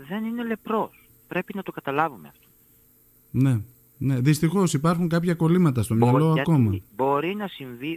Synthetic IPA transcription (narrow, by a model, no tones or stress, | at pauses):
ðe̞nine̞le̞pɾo̞s | pɾe̞pinɐt̪o̞kɐt̪ɐlɐvumeɐft̪o | ne̞ | ne̞ðist̪ixo̞sipɐɾxuŋkɐpçɐko̞limɐt̪̬ɐst̪o̞mɲɐllo̞ɐko̞mɐbo̞ɾinɐsiɱvi